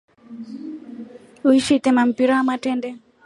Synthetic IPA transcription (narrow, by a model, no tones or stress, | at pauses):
uiʃitɛmam̩piɾawamatɛndɛ